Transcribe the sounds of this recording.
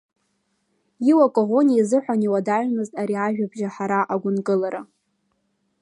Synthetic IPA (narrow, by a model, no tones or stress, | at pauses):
iwakʼoʁo̞niazɨħʷaniwadaʒmɨztʼaɾiaʒᶣabʒaħaɾaʔaɡʷʊnkʼɨlaɾa